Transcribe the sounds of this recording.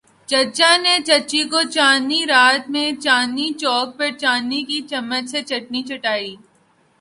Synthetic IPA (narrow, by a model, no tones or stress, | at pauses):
t͡ʃɐt͡ʃãnet͡ʃɐt͡ʃikot͡ʃaːniɾaːt̪mẽt͡ʃaːnit͡ʃɔːk̚pɐɾt͡ʃaːnːikit͡ʃɐmːət͡ʃset͡ʃɐʈnit͡ʃɐʈaːiː